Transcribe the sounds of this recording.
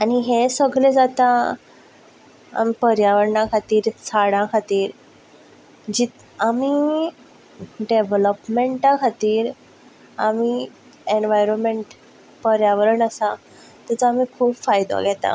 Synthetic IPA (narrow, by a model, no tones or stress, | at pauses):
aniɦesəɡled͡zat̪a | a̰mipəɾjaʋəɾɳakʰat̪iːɾt͡sʰaɽãkʰat̪iːɾ | d͡ʑit̪ | ami | ɖeʋləpmeɳʈakʰat̪iːɾ | ami | eɳʋajɾonmeɳʈ | pəɾjaʋəɾəɳasa | t̪at͡saamikʰuːpfajd̪o̰ɡʱɛt̪a̰